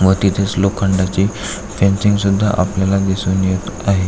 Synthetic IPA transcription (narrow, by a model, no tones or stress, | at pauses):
ʋət̪it̪ʰeslokʰə̃ɳɖat͡ɕi | fɛ̃nsiŋɡsud̪ʱːa̰ʔapljalad̪isuːnjet̪aɦe